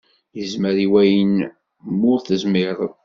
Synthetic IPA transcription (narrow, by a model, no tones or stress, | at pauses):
jəzməɾiwæjən | mʊɾθəzmɪðˤ